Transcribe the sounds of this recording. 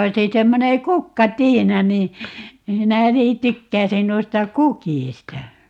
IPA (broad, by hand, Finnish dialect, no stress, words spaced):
oisi semːone kukːɑtiːnɑ niː minæ niː tykːæisin noistɑ kukiˑstɑ